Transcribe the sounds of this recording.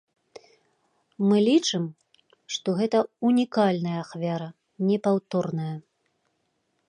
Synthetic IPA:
mɨlʲit͡ʂɨm | ʂt̪ɔɣɛt̪ɐunʲikalʲnɐjɐːxvʲaɾɐ | nʲɛpawt̪ɔrnɐjɐ

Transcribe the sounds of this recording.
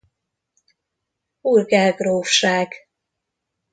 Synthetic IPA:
uːrɡɛlɡroːfʃaːɡ̥

